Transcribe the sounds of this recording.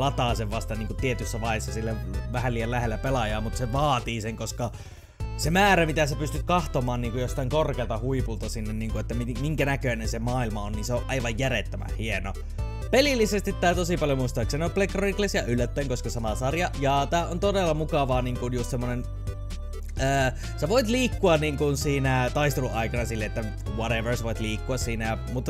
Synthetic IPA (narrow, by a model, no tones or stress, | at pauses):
ɑt̪ɑˑseʋʋɑst̪ɑniːŋkut̪t̪iet̪ysːæʋɑihesːɑsilːæʋæhæliːjɑllæhelːæpelɑjɑːmut̪seʋɑːt̪iːseŋkoskɑ | semæːɾæmit̪æsepyst̪yt̪̚kɑht̪omɑːnniːŋkujost̪ɑˑiŋkorkeːlt̪ɑhuipult̪ɑsinːenniːŋkuet̪ːæmimiŋkænækøinensemɑːilmɑonniːnseoʔʔɑiʋɑjjæret̪ːømæ̰hhieno | pelilːisest̪it̪t̪ːæːt̪osipɑljomuist̪ɑːksenioplekroiklesjɑʔylːæt̪ːæiŋkoskɑsɑmɑsɑrjɑjɑt̪æːʔont̪odelːɑmukɑʋɑːniːŋkunjust̪semːonen | əː | seʋoit̪liːkːuɑnniːŋkunsiːnæt̪ɑist̪eluʔɑikɑnɑsilːeet̪ːæ | ʋoɾeʋərsʋoit̪liːkːuɑssiːnæɑmut̪ː